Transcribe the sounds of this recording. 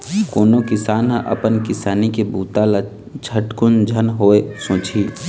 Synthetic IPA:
koːnokɪsaːnɦə̃ʔɐ̰pənkɪsaːnikebuːt̪ala | t͡ʃʰəʈkʊnd͡ʒʱənɦoːesõːt͡ʃʰiː

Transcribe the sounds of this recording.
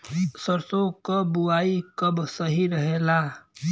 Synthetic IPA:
səɾsokəbuaːikəbsəɦiɾəɦelaː

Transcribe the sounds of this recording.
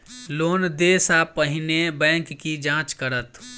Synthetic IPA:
loːnd̪eːsapəɦɪnebɛ̃ːŋkːid͡ʒãːt͡ʃkəɾət̪

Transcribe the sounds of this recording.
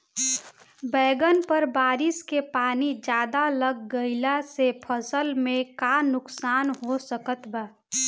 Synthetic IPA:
bɛːɡənpəɾbaːɾɪskepaːnid͡ʒjaːd̪aləɡːəɪlasepʰəsəlmẽkanʊksaːnɦosəkət̪baː

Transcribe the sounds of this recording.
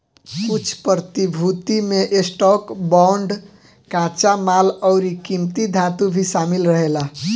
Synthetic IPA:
kut͡ʃʰpɾt̪ibʱut̪imeʔesʈɔkbɔɳɖ | kãt͡ʃamaləwɾikimt̪id̪ʱãt̪ubʱisamilɾəɦela

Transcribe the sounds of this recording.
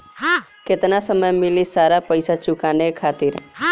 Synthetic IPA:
kɪt̪nasəməjmɪlisaːɾapəɪsat͡ʃʊkanekʰaːt̪iɾ

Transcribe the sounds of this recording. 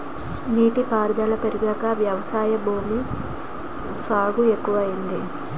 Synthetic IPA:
niːʈipaːɾd̪ɐlɐpe̞ɾuɡɐkɐʋjɐʋɐsaːjɐbʱuːmi | t͡ʃaːɡue̞kːuʋɐjind̪i

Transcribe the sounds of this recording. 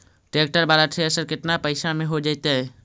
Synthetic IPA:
ʈeːk̚ʈəɾbaːɾaʈʰeəsəɾkɪt̪napəɪsamẽɦod͡ʒaːɪt̪eɦɛ

